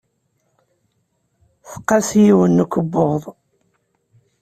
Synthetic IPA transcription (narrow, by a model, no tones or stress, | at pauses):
fə̥qːɑsjiwənːukʷːəbːoðˤ